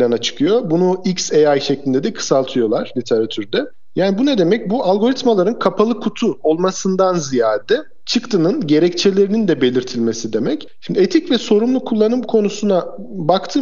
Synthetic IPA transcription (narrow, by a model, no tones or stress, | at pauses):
lʲanat͡ʃʰɯ̥kʰɯjo̞bunuicseajʃeclʲind̪ɛd̪ɛkʰɯ̥salˠt̪ʰɯjo̞lˠaɾ̥lʲit̪ʰe̞ɾat̪ʰyɾd̪ɛ | jaːnibunɛd̪e̞mɛc̚bualˠɡo̞ɾit̪malˠaɾɯnkʰapʰalˠɯkʰut̪ʰuo̞lˠmasɯnd̪anzijaːd̪ɛ | t͡ʃʰɯkt̪ʰɯnɯnɟe̞ɾɛct͡ʃʰelʲe̞ɾinind̪ɛbe̞lʲiɾt̪ʰilʲme̞sid̪e̞mɛc | ʃimd̪iet̪ʰicvɛso̞ɾumlˠukʰulˠːanɯmkʰo̞nusuna | bakt̪ʰɯː